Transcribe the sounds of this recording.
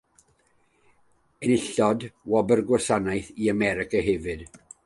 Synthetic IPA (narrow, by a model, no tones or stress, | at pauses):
ənɪɬɔdwɔbərɡwasanajθiamɛɾɪkaɦɛvɨd̥